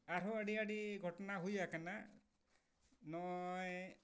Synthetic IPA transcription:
aɾoaɽiaɽiɡʱɔʈɔnaɦujakana | nɔj

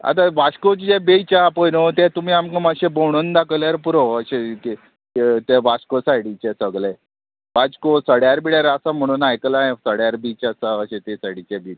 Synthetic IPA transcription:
a̰t̪̬aʋaɕkot͡ɕid͡ʑebejt͡ɕapojnot̪et̪um̤iːamkãmaɕẽbowɽ̃und̪akʰəljaɾpuɾoəɕe | t̪eʋaskosajɽit͡ɕesəɡle | ʋad͡ʑkosəɽjaɾbiɽjaɾasam̤əɽ̃uːnajklaẽsəɽjaɾbit͡ɕasaəɕẽt̪esajɽit͡ɕebi

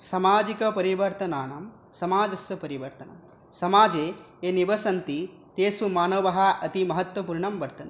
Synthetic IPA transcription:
sɐmaːd͡ʒikɐpɐɾiʋɐɾt̪ɐnaːnɐm | sɐmaːd͡ʒɐsjɐpɐɾiʋɐɾt̪ɐnɐm | sɐmaːd͡ʒeː | eniʋɐsɐnt̪i | t̪eːsumaːnoːʋɐɦɐʔɐt̪imɐɦɐt̪ʋɐpuːɾɳɐmʋɐɾt̪ɐn

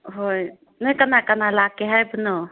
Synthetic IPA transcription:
ɦoj | nəjkənakənalakeɦajbʱno

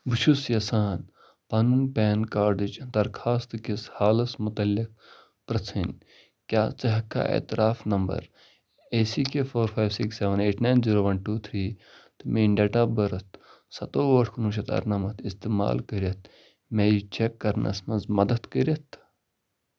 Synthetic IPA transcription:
buʃʰusjɐsaːn | paːnuːnpeːnkaːɾɖɨd͡ʒd̪ɐɾkʰaːst̪ɨkishaːlɐsmʊt̪ɐlːik̚ | pɾɐt͡sʰin | kʲjaːt͡sɐɦɐkːa̰ːʔḛːt̪ɪɾaːfnɐmbɐ̰ɾ | eːsiːkefʰoːɾfʰaːjʋsikseʋɐneːʈʰnaːnziːɾoːʋɐnʈuːt̪ʰɾiː | t̪ɨmeːɖeːʈaːbɐɾɐt̪ʰ | sɐt̪oːʋɐʈʰkunuːʃɐt̪ɐ̰ɾnɐmɐt̪ʰist̪eːma̰ːlkəɾʲɐt̪̚ʰ | meːit͡ʃekːɐɾnɐ̰smɐnzmɐd̪ɐt̪kəɾʲɐt̪ʰ

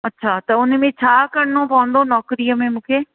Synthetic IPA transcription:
ətːʃʰaːt̪eʊnẽmẽːt͡ʃʰaːkəɾnõːpãːnd̪õːnɔːkɾijamẽːmʊkʰeː

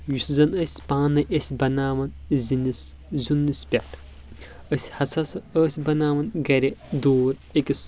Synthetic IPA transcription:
juszɐnɐsʲpãːnɐʔesʲbɐnaːʋɐnzinis | zunːɨspʲɐʈʰ | əsʲhɐsɐsɐəːsʲbɐnaːʋɐnɡɐɾʲed̪oːɾ | ekʲis

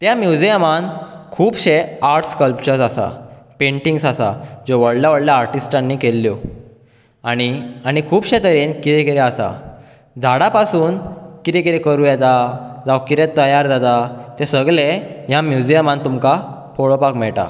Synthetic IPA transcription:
t̪jamjud͡ʑijəmankʰuːbɕeaɾʈskəlpt͡ɕəɾsasa̰pẽɳʈiŋɡsasa̰d͡ʑoʋəɽljaʋəɽljaːɾʈisʈãnːiːkelːjo | aɽ̃iaɽ̃ikʰuːbɕet̪əɾiːnkit̪ɛkiɾeasa̰ | d͡zʱaɽapasuːnkit̪ekiɾekəɾujɛt̪ad͡zaʋkit̪et̪ːəjaɾd͡zat̪at̪esəɡɭejãmjud͡ʑijəmãnt̪umkapʰoɭopakmɛɭʈa̰

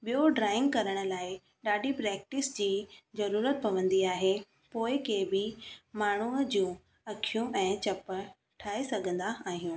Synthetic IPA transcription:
ɓijoɖɾaːɪ̃ŋɡ̚kɐɾəɽ̃ə̆laːɪ | ɗaːɗipɾɛːk̚ʈɪsd͡ʑiːzɐɾuːɾət̪̚pɐʋə̃nd̪iaːɦe | poːɪkebɪmaːɳ̤uəd͡ʑũː | ɐkʰijũɛ̃ːt͡ɕɐpə | ʈʰaːesɐɡʱə̃nd̪aaːɦijũː

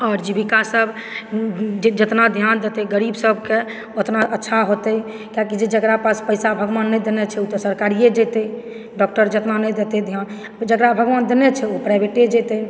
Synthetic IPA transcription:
ɔːɾd͡ʒibikasəbʱ | d͡ʒed͡ʒət̪nad̪ʱjand̪et̪ɛɡəɾibsəbʱke | ot̪naʔətːʃʰaɦot̪əj | kakid͡ʒed͡ʒəkɾapaspəjsabʱəɡʋanːɛjd̪enɛt͡ʃʰɛut̪ɔsəɾkaɾijed͡ʒɛt̪ɛi | ɖɔk̚ʈəɾd͡ʒət̪nanɛjd̪et̪ed̪ʱjan | d͡ʒəɡɾabʱəɡʋand̪enɛt͡ʃʰɛopɾabʱeʈed͡ʒɛt̪ɛj

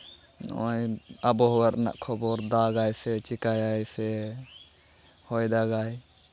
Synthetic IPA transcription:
nɔjabɔɦɔwaɾna̰ʔkʰɔbɔɾd̪aɡajsɛt͡ʃikajajsɛ | hɔjd̪aɡaj

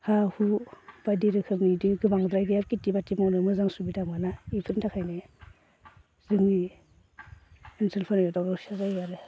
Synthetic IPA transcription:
hahub̥adiɾɯkʰɯmnidɯɡɯbaŋdɾajɡajap̚kitibatimawnɯmɯzaŋsubidamɡalaipʰɯɾtʰakʰajne | zɯŋni | ensʰelpʰanɔjtawɾɔsazajaɾɯ

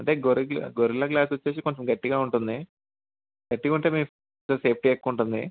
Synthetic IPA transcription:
ɐɳʈeːɡoɾiɡlɡoɾilɐɡlaːsʋɐt͡ɕːeːs̬ikoɲt͡ɕɐmɡɐʈːiɣaːuɳʈund̪i | ɡ̥ɐʈːiɣaːuɳʈeːmiː | t͡ɕɐmse̞ːp̚ʰʈiekːuɳʈund̪ḭ

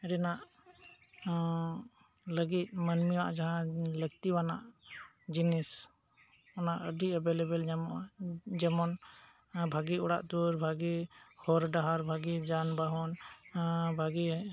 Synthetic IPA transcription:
ɛɾɛnaʔ | ləɡit̪̚mənmiwaʔd͡ʒaɦãləɡt̪iwana̰ʔ | d͡ʒinis | ɔnaʔəd̪iəbelebəl | d͡ʒɛmɔn | bʱaɡiɔɽa̰ʔt̪uɾbʱaɡihɔɾɖaɦaɾbʱaɡid͡ʒanbaɦɔn | bʱaɡi

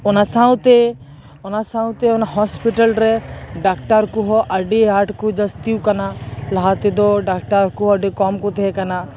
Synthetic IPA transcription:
ʊnasãw̃t̪e | ʊnasãt̪eʊnaɦɔspɪʈəlɾɛɖaːkʈəɾkuɦɔʔɐɖeaːʈkud͡ʒɐst̪iukɐnalɐɦat̪ed̪oɖaːk̚ʈəɾkuɐɖekɔːmkut̪ʰekɐna

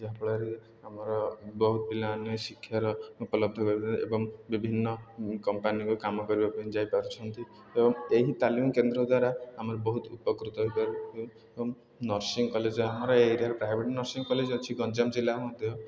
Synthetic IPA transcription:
d͡ʒeɦapɔɭaɾe | amɔɾɔbɔɦut̪ɔbilaːnɔsikʰːjaɾɔupɔlɔb̚d̪ʱɔkɔɾibʔḛbɔŋbibʱinːɔkɔmpanikukamɔkɔɾibapaid͡ʒajpaɾut͡ʃʰɔnt̪i | ebɔŋeɦit̪alimkend̪ɾɔd̪waɾaamɔɾɔbɔɦut̪upɔkɾut̪ɔɦjpaɾu | ebɔŋ | nɔɾsiŋɡkɔled͡ʒɔamɔɾɔeɾiaɾepɾajbʱeʈnɔɾsiŋkɔled͡ʒot͡ʃʰiɡɔnd͡ʒamd͡ʒilːaɾmɔd̪ʱjɔ

